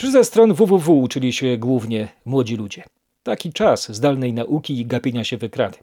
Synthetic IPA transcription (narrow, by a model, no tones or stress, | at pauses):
pʂɘzɛst̪ɾɔnvuvuvuːt͡ʂɘlʲiɕɛɡwuvɲɛmwɔd͡ʑilud͡ʑɛ | t̪akʲit͡ʂaszd̪alnɛjnaʔukʲiːɡapʲeɲaɕɛvɘkɾa̰d̪ɘ̥